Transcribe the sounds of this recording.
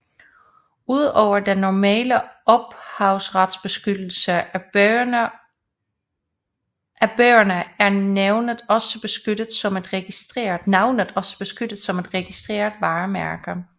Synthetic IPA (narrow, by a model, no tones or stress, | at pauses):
uð̞̰ˠɒʊ̰ɐd̥enːɒmɛ̰ːləʔɒ̽b̥hɑ̈ʊsʁɑd̥sb̥e̝sɡ̥ød̥l̩sə | ʔæb̥øːɐnəæɐneʊnəðˠɒ̽səb̥e̝sɡ̥ød̥ð̩ˠsɒ̽me̝d̥ʁɛɡ̥isʁeɐnɑ̈ʊnəð̩ˠɒ̽sə̥b̥e̝sɡ̥ød̥ð̩ˠsɒ̽me̝d̥ʁɛɡ̥isd̥ʁḛːɐð̩ˠʋɑ̈ːmæɐɡ̥ə